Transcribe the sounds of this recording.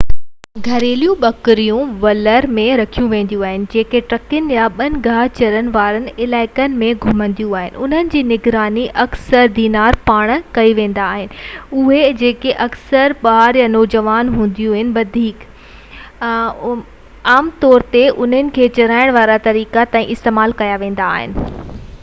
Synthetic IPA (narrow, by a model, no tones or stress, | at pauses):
ɡʱɐɾeːlijũɓɐkɾijũʋɐləɾmẽɾɐkʰijũʋẽːn̆d̪jũaːɦɪnɪ̆d͡ʑeːkeʈɾɐkɪnɪjaɓɐnɪ̆ɡʱaːt͡ɕɐɾənɪ̆ʋaːɾənɪ̆ɪlaːɪkənɪ̆mẽɡʱʊmə̃nd̪ijũaːɦɪnɪ̆ʊn̤ənɪ̆d͡ʑiːnɪɡɾaːniʔɐksəɾd̪iːnaːɾpaːɽ̃kɐiʋẽːn̆d̪aːɦɪnɪ̆ʊɦed͡ʑeːkeʔɐksəɾɓaːɾjanoːd͡ʑəʋaːnɦũːn̆d̪ijũɐɦɪnɪ̆ʋɐd̪ʱiːk | aːmt̪ɔːɾt̪eʔʊn̤ənɪ̆kʰeːt͡ɕɐɾaːɪɽ̃ʋaːɾat̪ɐɾiːkat̪ãːĩʔɪst̪eːmaːlkɐjaʋẽːn̆d̪aːɦɪ̰nɪ̆